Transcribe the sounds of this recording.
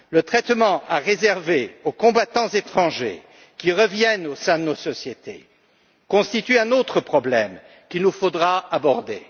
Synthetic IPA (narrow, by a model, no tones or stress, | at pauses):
lət̪χɛt̪mɑ̃ʔaʁezɛʁveokɔ̃bat̪ɑ̃zet̪χɑ̃ʒḛ | kʲiʁəvjɛnosɛ̃d̪ənosɔsjet̪ḛ | kɔ̃st̪it̪yɛ̃not̪χəpχɔblɛm | kʲinufod̪ʁaabɔʁd̪ḛ